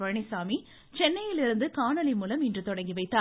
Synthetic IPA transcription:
ʋɐɻɳɪsaːmi | t͡ʃɛnːɐjɪlɪɾɯnd̪ɯkaːɳɐlɪmuːlɐmɪndrɯt̪ɔɽɐŋɡiʋɐɪt̪ːaː

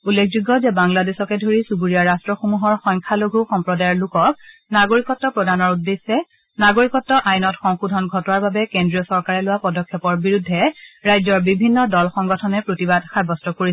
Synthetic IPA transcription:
ulːekʰzuɡːɔzɛbaŋladesɔkɛdʱoɹisubuɹijaɹastɹɔxomuɦɔɹxɔjŋkʰaloɡʱuxɔmpɹɔdajɔɹlʊkɔk̚naɡoɹikɔtːɔpɹɔdʱanɔɹudːesːɛ | naɡoɹikɔtːɔʔajnɔtxɔŋxudʱɔnɡʱɔtɔnaɹbabɛkendɹiɔsɔɹkaɹɛlʊwapɔdɔkʰːɛpɔɹbiɹudʱːɛɹajzɔɹbibʱinːɔdɔlxɔŋɡɔtʰɔnɛpɹotibadxabɔstɔkoɹisɛ

